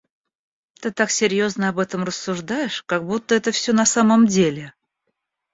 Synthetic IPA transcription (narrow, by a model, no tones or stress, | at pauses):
t̪ɨt̪aksʲɪɾʲjo̞znəɐbɛt̪əmrəsːʊʐd̪ajɪʂkaɡ̚but̪ːəɛt̪əfsʲonɐsaməmdʲelʲɪ